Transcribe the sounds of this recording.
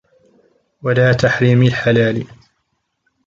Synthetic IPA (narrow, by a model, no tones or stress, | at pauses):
walaːt̪aħɾiːmalħalaːl